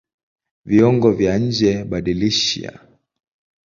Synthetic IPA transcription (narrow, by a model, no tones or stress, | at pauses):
viɔŋɡɔvjaɲ̩d͡ʒɛɓaɗiliʃḭa̰